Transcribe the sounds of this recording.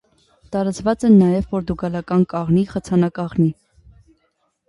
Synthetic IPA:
t̪ɑɾɑt͡svɑt͡sɛnːɑjɛvːɔɾd̪uɡɑlɑkɑnkɑʁniχət͡sʰɑnɑkɑʁni

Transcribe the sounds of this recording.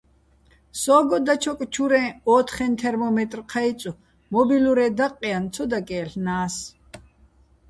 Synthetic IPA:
sɔːɡɔd̪at͡ʃʰɔkʼt͡ʃʰuɾɛ̃ːɔːt̪ʰχɛnt̪ʰɛɾmɔmɛt̪ʼrqʰait͡sʼu | mɔbiluɾɛd̪aqʼːiant͡sʰɔd̪akʼɛːɬnaːs

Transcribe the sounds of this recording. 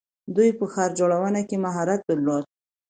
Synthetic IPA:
d̪ujpəxɑɾd͡ʒoɽawənakemaɦɑɾat̪̚d̪əɾlod̪̚

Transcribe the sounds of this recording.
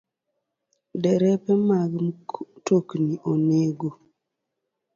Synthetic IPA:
dɛɾɛpɛmaɡmtokniʔoneɡo

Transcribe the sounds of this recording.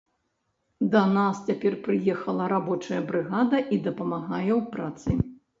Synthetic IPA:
d̪ɐnast͡sʲapʲɛrpɾɨjɛxɐlˠɐɾabɔt͡ʂɐjɐbɾɨɣad̪ɐʔid̪ɐpɐmaɣajɛwpɾat̪sɨ̰

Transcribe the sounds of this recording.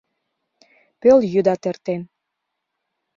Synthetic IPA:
pøljyd̪ɑt̪ĕrt̪en

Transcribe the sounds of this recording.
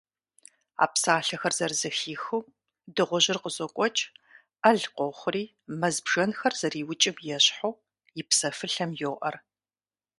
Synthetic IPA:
a̰ːpsaːɬɐxɐrzɐrzɨxiːxuː | dɨʁʷʊʑɪrqəzɔkʷʼɔt͡ʃʼ | ɐɮqʷɔχʷʊriː | mɐzbʒɐnxɐrz̥ɐriːwʊt͡ʃʼɪmjɛɕħow | jɪpsɐfɨɬɐmjoːʔɐr

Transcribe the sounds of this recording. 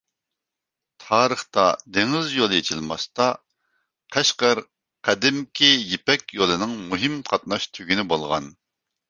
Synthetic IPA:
t̪ʰɑːɾəχt̪ɑ̰d̪eŋɪzjolˠjet͡ʃʰilˠmɑst̪ɑ | qʰɛʃqəɾ | qʰɛd̪ɪmkʲʰijipɛkʲjolˠɨnɨŋmuɦɪmqʰɑt̪̚nɑʃt̪ʰyɡʲinɪbolˠʁɑ̰n

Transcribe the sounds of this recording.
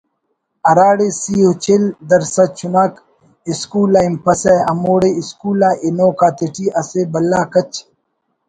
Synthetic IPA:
ɐɾaːɽesiːɦut͡ɕʰeld̪ɐɾsɐt͡ʃʰunaːk | iskuːlaːimpɐseɐɐmoːɽeiskuːlaʔinoːkaːt̪iʈʰiʔɐseːbɐlːaːkɐt͡ɕʰ

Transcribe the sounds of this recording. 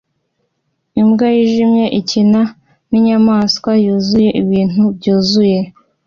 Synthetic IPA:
imɡajiʒimɲe̞ʔicina | niɲamaːskwajuːzuje̞ʔiβiːn̥ubɟuːzuje̞

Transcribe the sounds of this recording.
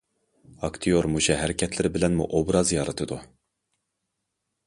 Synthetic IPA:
ɑkt̪ʰijoɾmuʃɛɦɛɾɪkʲʰɛt̪ʰlɪɾɪbɪlɛnmṵʔobɾɑzjɑɾɨt̪ʰɨd̪u

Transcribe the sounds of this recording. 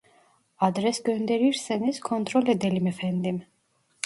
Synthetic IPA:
ad̪ɾɛsɡɔnd̪ɛɾiɾsɛniskʰɔnt̪ʼɾɔlɛd̪ɛlimɛfʰɛnd̪im

